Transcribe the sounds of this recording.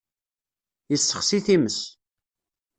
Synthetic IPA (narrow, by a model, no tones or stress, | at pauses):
jəsːəχsiθiməs